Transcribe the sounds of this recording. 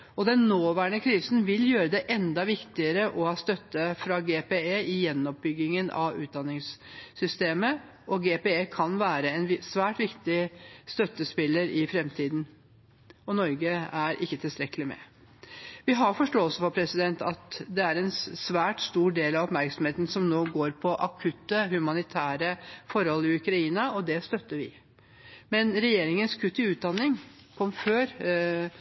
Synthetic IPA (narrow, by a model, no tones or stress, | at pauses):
ɔd̪ɛnnoːʋæːɾəɳəkʰɾiːsnʋɪljøːɾəd̪ɛʔɛnd̪ɑʋɪkt̪ɪəɾəʔɔhɑːst̪œt̪ːəfɾɑɡepeeːɪjɛnːɔp̚bʏɡːɪŋənʔɑ̰ʋʉ̰ːt̪̚d̪ɑnːɪŋsːʏst̪eːmə | ʔɔɡeːpeeːkʰɑnʋæːɾəɛnsʋæːʈʋɪkt̪ɪst̪œt̪ːəspɪlːəɾɪfɾɛmt̪ʰiːd̪n | ɔnɔɾɡəæɾʔɪkːət̪ʰɪlst̪ɾɛkːəlɪmɛ̰ | ʋɪɦɑfɔʂʈoːlsɔfɔpʰɾɛsɪd̪ɛnt̪ʰɑt̪d̪ɛæɾɛnsʋæːʈst̪uːɖeːlɑʋɔpmæɾksɔmheːt̪nsɔmnoːɡoːɾpʰɔʔɑkʰʉt̪ːəhʉmɑnɪt̪ʰæːɾəfɔɾhɔlɪʉkɾɑiːnɑɔd̪ɛst̪œt̪ːəɾʋɪ̰ | mɛnɾɛjeːɾɪŋənskʰʉt̪ːɪʉːt̪̚d̪ɑnːɪŋ | kʰɔmːføːɾ